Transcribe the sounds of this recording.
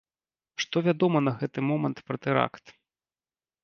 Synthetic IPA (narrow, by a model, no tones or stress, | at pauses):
ʂt̪ɔvʲad̪ɔmɐnɐɣɛt̪ɨmɔmɐnt̪pɾɐt̪ɨɾa̰kt̪